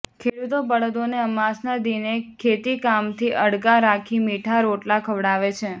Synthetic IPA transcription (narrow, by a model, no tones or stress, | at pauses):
kʰeɽut̪obəɽəd̪oneəmasnad̪inekʰet̪ikamt̪ʰiʔəɽɡaɾakʰimiʈʰaɾoʈlakʰəʋɽaʋet͡ʃʰe